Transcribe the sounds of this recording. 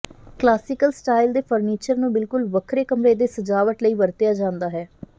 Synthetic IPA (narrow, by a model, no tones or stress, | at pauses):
klaːsɪkəlsʈaːɪld̪eːpʰəɾniːt͡ʃəɾnũːbɪlkʊlʋəkʰɾeːkəmɾeːd̪eːsəd͡ʒaːʋəʈləiːʋəɾt̪ɪjaːd͡ʒãːnd̪aːɦɛː